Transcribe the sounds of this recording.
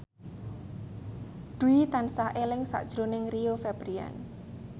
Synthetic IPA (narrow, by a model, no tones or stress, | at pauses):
d̪̥uit̪ansaʔelɪŋsa̰ʔd̥ʒ̥ɾonɪŋriofɛb̥ɾia̰n